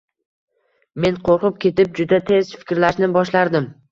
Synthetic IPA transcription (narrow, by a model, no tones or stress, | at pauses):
me̞nqʰoɾqɨp̚kʲʰe̞t̪ɪp̚d͡ʒʊd̪at̪ʰe̞zfɪ̥kʲɾlaʃnɪbɒʃlaɾd̪ɪm